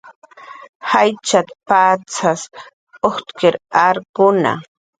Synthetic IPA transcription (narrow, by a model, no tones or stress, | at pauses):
hajt͡ʃat̪pat͡sas | oχt̪keɾaɾkʊna̰